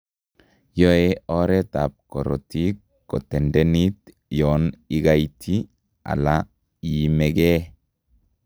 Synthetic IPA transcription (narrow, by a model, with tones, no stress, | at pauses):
jɔ˦eɔɾɛ˦t̪a˨p̚kɔ˨ɾɔ̰ti˦ | kːɔ˨tɛ˨ndɛnit̪ | jɔni˦ɡa˦jtʰi | a̰˨la | jimɛɡɛ˦